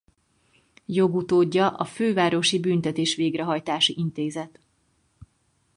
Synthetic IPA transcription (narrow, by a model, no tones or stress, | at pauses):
jo̞ɡut̪oːɟːɒʔɒføːvaːɾo̞ʃibyːnt̪ɛt̪eːʃʋeːɡrɛɦɒjt̪aːʃiʔint̪eːzɛt̪